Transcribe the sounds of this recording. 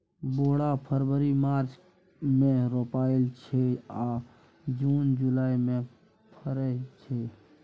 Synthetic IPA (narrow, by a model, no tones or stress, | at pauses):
boːɽapʰəɾbəɾimaːɾt͡ʃ | mẽɾoːpaːɪlt͡ʃʰea | d͡ʒuːnd͡ʒulaːimẽ | pʰəɾɛt͡ʃʰe